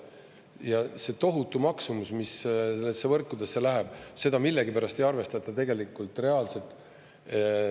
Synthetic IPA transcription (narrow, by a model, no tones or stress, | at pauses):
jɑse̞t̪o̞ɦut̪ːˑumɑksumusmiselːesːevɤrkːˑud̪̥e̞sːe̞læɦɛb̥se̞d̪ɑmilːe̞ɡipæɾɑst̪e̞jɑrve̞st̪ɑt̪ːˑɑt̪e̞ɡ̥e̞likːˑult̪ˑre̞ɑːlse̞t̪ˑ